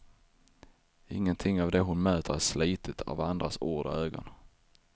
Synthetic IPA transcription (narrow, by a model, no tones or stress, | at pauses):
ɪ̰ŋːənt̪ʰɪŋːavd̪ɛɦʊnmøːt̪ʰəɾæsliːt̪ʰət̪ʰa̰vand̪ɾasoːɖɔ̰øːɡɔ̰n